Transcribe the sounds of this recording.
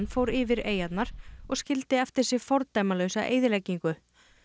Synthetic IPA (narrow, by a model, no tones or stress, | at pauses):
nfoːwɾɪːvɪɾeːjat̪naɾ̥ɔɣscɪlt̪ɪɛft̪ɪ̥sɪfɔɾt̪aːjmalœwsaʔḛːjðɪlɛcːiŋkʏ